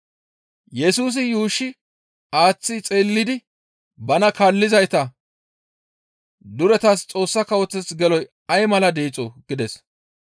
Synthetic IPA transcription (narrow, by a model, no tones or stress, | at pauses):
jɛsuːs̬ɪjuːʃːɪ | aːt͡sːɪt͡sʼeːlːɪd̪ɪ | bɐnɐkaːlːɪzɐjt̪ɐ | d̪ʊɾɛt̪ast͡sʼo̞ːsːɐkɐwɔt͡sːɛsɡɛlɔj | ɐjmɐlɐd̪eːt͡sʼoɡ̥ɪd̪ɛs